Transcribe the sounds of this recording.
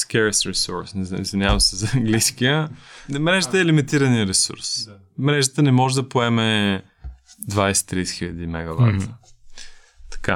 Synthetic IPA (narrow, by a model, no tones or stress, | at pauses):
skɛɾɛsɾisɔ̰ɾsnɛḭzvinjavɐmsɛzɐɐŋɡliskijəmɾɛʒət̪əɛːlimit̪iɾəniəɾɛsṵɾs | mɾɛʒət̪ənɛmɔʒɛd̪ɐpoɛmɛ | d̪vajsɛ̥t̪ːɾijsɛ̥xiʎʲəd̪imɛɡɐva̰ | t̪ɐ̥ka